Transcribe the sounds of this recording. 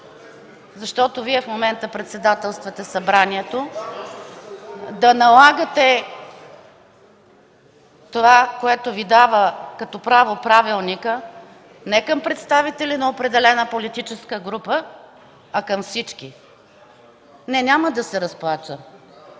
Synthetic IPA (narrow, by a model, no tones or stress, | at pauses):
zɐʃt̪ɔt̪oviɛfmomɛnt̪əpɾɛt̪sɛd̪at̪ɛlˠst̪vɐt̪ɛsɐbɾaniɛt̪o | d̪ɐnɐlˠaɡət̪ɛ | t̪ovakoɛt̪ʊvid̪avəkɐt̪ɔpɾavopɾavilˠnikə | nɛkəmpɾɛt̪st̪avit̪ɛlinɐopɾɛd̪ɛlɛnəpolit̪it͡ʃɛskəɡɾupə | ɐkəmfsit͡ʃki | nɛnʲaməd̪ɐsɛɾɐsplˠat͡ʃə